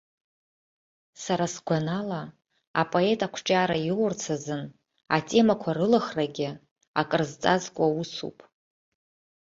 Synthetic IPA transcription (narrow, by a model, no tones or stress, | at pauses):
saɾasɡʷanala | a̰pʼo̞e̞tʼakʷʰʈ͡ʂʼaːɾajwʊrt͡sʰazɨn | a̰tʼe̞makʷʰarɨlaχraɡʲɪ | a̰kʼɨrzt͡sʼazkʷʼausṵpʼ